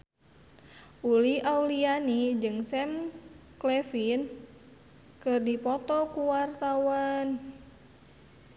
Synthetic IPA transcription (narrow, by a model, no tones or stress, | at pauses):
ʔuliaulianid͡ʒɨŋsɛmklɛfin | kɨrdipɔt̪ɔkuwart̪awan